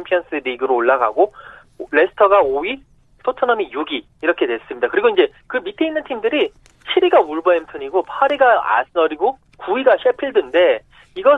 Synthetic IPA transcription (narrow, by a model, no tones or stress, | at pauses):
mpʰiʌns͈ɯɾiɡɯɾoːɭːaɡa̰ɡo | ɾe̞sʰɯ̥tʰʌɡaoi | sʰotʰʌnʌmijuɡiːɾʌkʰe̞dwe̞s͈ɯmɲidakɯɾiɡoind͡ʑe̞ | kɯmitʰeinːɯntʰimdɯɾi | ɕʰiɾiɡauɭbʌenpʰɯɲiɡopʰaɾiɡaa̰sɯʌɾiɡo | kuiɡaɕʰepʰiɭdɯnde̞ | iɡʌ